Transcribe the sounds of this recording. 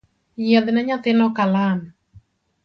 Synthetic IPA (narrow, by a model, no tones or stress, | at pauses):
jad̪naɲat̪ɪnɔkalan